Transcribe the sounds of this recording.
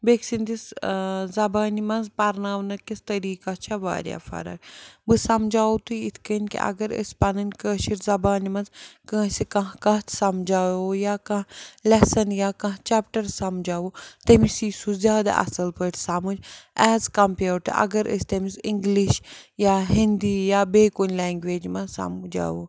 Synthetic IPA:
beksind̪iszɐbaːnimɐnzpɐɾnaːʋnɐkist̪ɐɾiːkat͡ʃʰaʋa̰ːɾʲja̰ːfɐ̰ɾɐ̰kbɨsɐmd͡ʒaːwut̪uit̪ʰkənʲkḭʔɐ̰ɡɐɾə̰sʲpɐnɐnʲkəːʃiʈzɐbaːnimɐnzkə̃ːsikɐ̃ɦkɐːt̪ʰsɐmd͡ʒaːjojaːkɐ̃ɦlɛsɐnjaːkɐ̃ɦt͡ʃɛːpʈɐɾsɐmd͡ʒaːʋot̪ɐmisiːsuzjaːd̪a̰ʔɐ̰sɐlpəːʈʰsɐmud͡ʒɛːzkɐmpeːʈʔɐ̰ɡɐɾə̰st̪ɐmisɪŋɡliʃjaːɦind̪iːjaːbeːkonʲlɛːŋɡʋeːd͡ʒmɐ̃sɐ̰md͡ʒa̰ːʋoː

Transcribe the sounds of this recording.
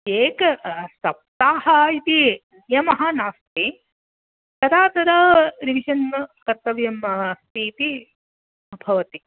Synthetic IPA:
eːkɐsɐp̚t̪aːɦɐit̪injɐmɐɦɐnaːst̪i | t̪ɐɾaːt̪ɐɾɐɾiʋiʃɐnkɐɾt̪ːɐʋjɐmːɐɦɐst̪iːt̪i | ɐbʱɐʋɐt̪i

